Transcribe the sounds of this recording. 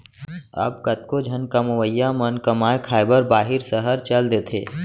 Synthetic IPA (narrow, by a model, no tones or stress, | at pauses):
ə̰pkɐt̪̚kod͡ʒʱɐnkəmɐʋəjːamənkɐmaːekʰaːɪbəɾbaːɦɪɾsəɦəɾt͡ʃɐld̪eːt̪ʰḛː